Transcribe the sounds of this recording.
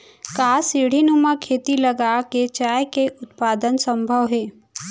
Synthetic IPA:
kaːsiɽ̤inumakʰeːt̪iləɡaket͡ʃaːjkeʔʊt̪̚paːd̪ənsə̃mbʱəʋɦeː

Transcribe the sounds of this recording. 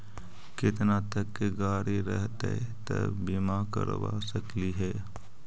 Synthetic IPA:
kɪt̪nat̪əkːeɡaːɾiɾə̰ɦt̪eɛt̪ə̰bimakə̰ɾʋa̰səkliɦɛː

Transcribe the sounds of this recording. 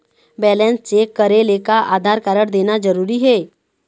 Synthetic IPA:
bɛːlɛ̃nst͡ʃekəɾelekaʔa̰ːd̪ʱaːɾkəɾəɽd̪eːnad͡ʒəɾuːɾiɦɛː

